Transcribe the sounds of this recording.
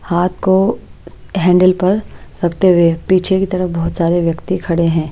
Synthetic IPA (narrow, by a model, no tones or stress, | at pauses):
haːt̪̚ʰko | ɦɛ̃ːɳɖəlpɐɾɾɐkʰt̪eɦepiːt͡ʃʰekit̪ɐɾəfbɔɦʊt̪saːɾeʋjɐkt̪ikʰɐɽeɦɛ̃ː